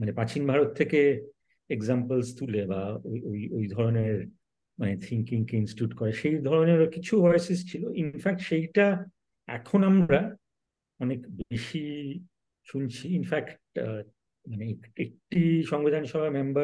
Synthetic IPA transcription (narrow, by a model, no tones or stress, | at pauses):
manepat͡ɕinbʱaɾot̪ʰːeke | eɡzampəlst̪ulebaoojojd̪ʱɔɾoneɾ | manet̪ʰiŋkiŋkeinsʈjuʈkɔɾeʃejd̪ʱɔɾoneɾkit͡ɕʰuvɔjsest͡ɕʰiloʔinfɛk̚ʈʃejʈa | ɛ̰kʰonamɾa | ɔnekbeʃi | ʃunt͡ɕʰiinfɛkʈ̚ | maneekek̚ʈiʃɔŋbid̪ʱanʃɔbʱamemba